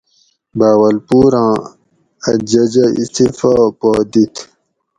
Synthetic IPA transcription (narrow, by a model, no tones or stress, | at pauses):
baːwɐlpuːɾãː | ɐd͡ʑɐd͡ʑɐḭst̪ifapoːd̪it̪ʰ